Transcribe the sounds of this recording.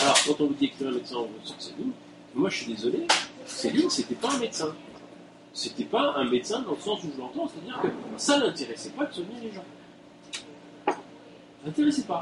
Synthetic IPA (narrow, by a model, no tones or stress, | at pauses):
alɔʁkɑ̃t̪ɔ̃vud̪iekt̪iɛ̃met̪sɛ̃ɔ̃ʁəsɔ̃sɛdin | mɛmwaəʃɥid̪ezɔlesɛliset̪ɛpaɛ̃met̪sɛ̃ | set̪ɛpaɛ̃met̪sɛ̃d̪ɑ̃ləsɑ̃suʒəlɑ̃t̪ɑ̃se̥t̪ad̪iʁkəsalɛ̃t̪eʁɛsɛpad̪səvniʁleʒɑ̃ | lɛ̃t̪eʁɛsɛpa